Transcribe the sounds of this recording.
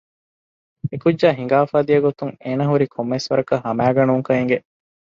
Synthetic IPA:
ekudd͡ʒaːɦiŋ̆ɡaːfaːd̪ijɐɡot̪uŋeːnɐɦuɾikʰomːesʋɐɾɐkɐɦɐmæːɡɐnuŋkɐɦeŋ̆ɡeʔ

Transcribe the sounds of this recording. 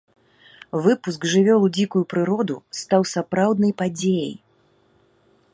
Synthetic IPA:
vɨpusɡʐɨvʲɔlˠud͡zʲikujupɾɨɾɔd̪ust̪awsapɾawd̪nɐjpad͡zʲejɐ̰j

